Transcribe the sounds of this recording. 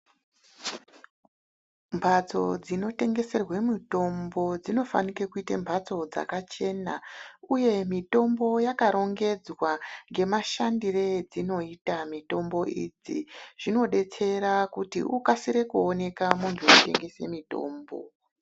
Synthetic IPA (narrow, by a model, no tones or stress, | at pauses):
mbʱat͡so̞̰d͡zino̞te̞ŋɡe̞se̞rwe̞mito̞mbo̞d͡zino̞fa̰nikekuitembʱat͡so̞d͡za̰kat͡ʃe̞na̰uje̞mito̞mbo̞jakaɾo̞ŋɡe̞d͡zwaŋɡe̞maʃandired͡zino̞itamito̞mbo̞id͡ziʐ̥ino̞ɗe̞t͡se̞ɾakutḭʔukasiɾe̞kuone̞kamuntʰuute̞̰ŋɡe̞se̞̰mito̞̰ːmbo̞̰